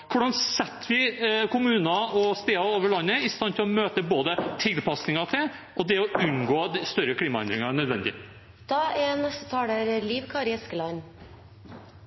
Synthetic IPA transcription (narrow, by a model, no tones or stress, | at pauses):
kʰʊɖɑnsɛt̪ːʋɪkʰʊmʉːnɑɔst̪eːɑoːʋəɭɑnːəɪst̪ɑnt̪ʰɪlɔmøːt̪əboːd̪ət̪ʰɪlpɑsnɪŋɑt̪ʰɪl | ʔɔd̪ɛɔʉnɡoːd̪st̪œɾəkʰliːmɑɛ̰nd̪ɾɪŋɑnœd̪ʋɛnd̪ɪ̰ | d̪̥ɑːɛnɛst̪ət̪ʰɑːɽəɾliːʋkʰɑːɾɪɛskəlɑn